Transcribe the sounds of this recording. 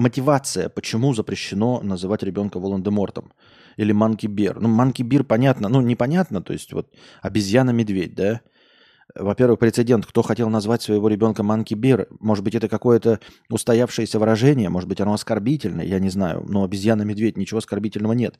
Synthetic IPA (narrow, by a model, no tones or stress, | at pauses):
mətʲɪvat̪sɨjə̰pət͡ɕɪmuzəpɾʲɪɕːɪno̞nəzɨvatʲɾʲɪbʲo̞nkəvəlˠənd̪ɨmo̞rt̪əm | ilʲɪmankʲɪbʲernumankʲɪbʲirpɐnʲat̪nənunʲɪpɐnʲat̪nət̪o̞̰jɪ̰sʲtʲvo̞t̪̚ | ɐbʲɪzʲjanəmʲɪd̪vʲedʲd̪a | vɐpʲe̞rvɨxpɾʲɪt̪sɨdʲe̞nt̪̚kt̪o̞xɐtʲelˠnɐzvatʲsvəjɪvo̞ɾʲɪbʲo̞nkəmankʲɪbʲerəmo̞ʐɨd̪̚bɨtʲɛt̪əkɐko̞jət̪ə | ʊst̪ɐjafʂɨjəsʲəvɨɾɐʐɛnʲɪjəmo̞ʐɨd̪bɨtʲɐno̞ɐskɐrbʲitʲɪlʲnə̰jə̰janʲɪzna̰jʊ̰noɐbʲɪzʲjanəmʲɪd̪vʲetʲnʲɪt͡ɕɪvo̞ɐskɐrbʲitʲɪlʲnəvənʲe̞t̪